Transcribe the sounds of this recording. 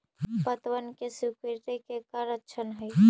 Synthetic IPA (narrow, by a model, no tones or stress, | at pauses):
pət̪ʋənkesukiɾt̪ekekaɾətːʃʰənɦəj